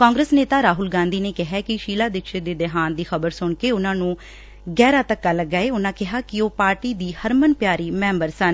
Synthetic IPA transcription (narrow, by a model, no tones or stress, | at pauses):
kãːŋɡɾeːsneːt̪aːɾaːɦʊlɡãːnd̪iːneːkɪɦɛːkɪʃiːlaːd̪ɪkʃeːd̪eːd̪ɪɦaːnd̪iːxəbəɾsʊɳkeːʊnãːnũː | ɡɛːɾaːt̪əkːaːləɡːaːeːʊnãːkɪɦaːkɪoːpaːɾʈiːd̪iːhəɾmənpjaːɾiːmɛ̃ːmbəɾsən